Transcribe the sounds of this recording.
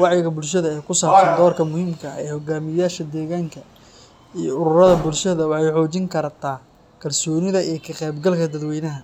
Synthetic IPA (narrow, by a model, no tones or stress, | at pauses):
wɑʕjɪɣɐbʊlʃɐðɐɛjkʰʊsaːbsɐnd̪ɔːrkʰɐmʊhiːmkʰɐ̰ɛːhɔɡaːmɪjaːʃɐd̪ɛːɣaːŋkʰɐ | ijɔʊɾʊrɐðɐbʊlʃɐðɐwɑħɑjħɔːt͡ʃɪŋkʰɐɾt̪ʰaː | kʰɐlsɔːnɪðɐʔijkʰɐqɛjbɡɐlkʰɐd̪ɐd̪wɛjnɐɦɐ